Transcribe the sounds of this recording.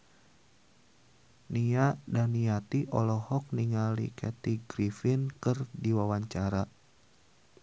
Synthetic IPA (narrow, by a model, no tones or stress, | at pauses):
niadaniat̪iʔɔlɔhɔk̚niŋalḭkɛt̪iɡɾifɪnkɨrdiwawaɲt͡ʃaɾa